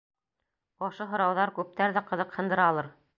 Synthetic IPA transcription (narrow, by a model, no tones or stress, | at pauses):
ɑʃoɦŏɾɑwðɑɾkʉp̚t̪æɾðæqɤ̆ðɤqhɤ̆nd̪ɤ̆ɾɑlˠɤɾ